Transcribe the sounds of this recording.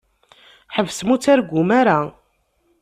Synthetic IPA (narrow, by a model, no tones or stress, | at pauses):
ħəvːsmut͡sːæɾɡʷumaɾa